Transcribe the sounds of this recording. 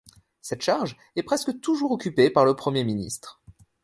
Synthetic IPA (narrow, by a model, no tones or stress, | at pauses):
sɛt̪ʃaʁʒ | ɛpχɛskət̪uʒuʁɔkʲypepaʁləpχəmjeminḭst̪χ